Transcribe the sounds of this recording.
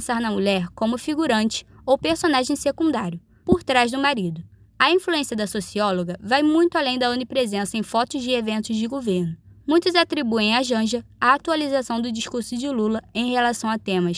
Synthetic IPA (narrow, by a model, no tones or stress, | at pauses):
saɾnɐmuʎɛɾkõmʊfiɡuɾɐ̃nt͡ʃɪ̥ | owpeɾsõnaʒẽj̃sekũnd̪aɾjʊ | poɾt̪ɾazd̪ʊmaɾid̪ʊ | ɐĩfluẽsiɐd̪ɐsosiɔloɡɐvajmũj̃t̪ʊalẽj̃d̪ɐõnipɾezẽsɐẽj̃fɔt̪ʊzd͡ʒɪevẽnt̪ʊzd͡ʒɪɡovehnʊmũj̃t̪ʊzat̪ɾibuẽj̃aʒɐ̃ʒɐ | aat̪ualizasɐ̃w̃d̪ʊd͡ʒiʃkuɾsʊd͡ʒɪlulɐẽj̃helasɐ̃w̃at̪ẽmɐs